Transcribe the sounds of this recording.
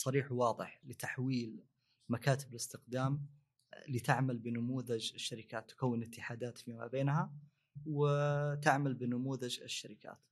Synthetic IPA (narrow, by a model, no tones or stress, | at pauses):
sˤɑɾiːħwɑːðˤɨ̰ħlɪt̪aħwiːl | makaːt̪ɪblɪst̪ɪqd̪aːm | lit̪ɪʕmalbɪnamuːðad͡ʒɪʃːaɾɪkaːt̪ːʊ̥kawːɪnɪt̪ːɪħaːd̪aːt̪fima̰beːnha | wɪt̪aʕmalbɪnamuːðad͡ʒɪ̰ʃːaɾɪka̰ːt̪